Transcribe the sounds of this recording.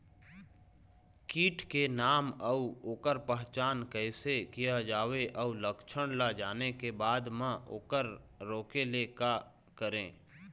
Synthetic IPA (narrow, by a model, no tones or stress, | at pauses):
kiːʈʰkenaːməuoːkəɾpəɦt͡ʃaːnkəɪsekijad͡ʒaːweʔəuləkʃʰəɽ̃lad͡ʒaːnekebaːd̪mãʔoːkəɾ | ɾoːkeleka | kəɾẽː